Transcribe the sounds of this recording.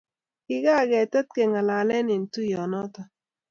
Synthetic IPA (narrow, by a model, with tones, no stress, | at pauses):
kɪ˦ɡa˦˨ɡɛ˨tə˦t̚ke˨ŋa˨la˨lɛ˦nɪ˨n˨tu˦jɔ˨nɔ˦ta˨